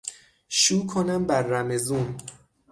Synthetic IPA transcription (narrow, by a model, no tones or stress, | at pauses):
ʃuːkʰonæmbæɾːæmezun